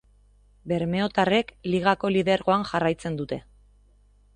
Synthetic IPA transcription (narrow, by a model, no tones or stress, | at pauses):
be̞ɾme̞o̞t̪are̞kliɣ̞ako̞liðe̞ɾɣo̞anʝarajt͡se̞nd̪ut̪e̞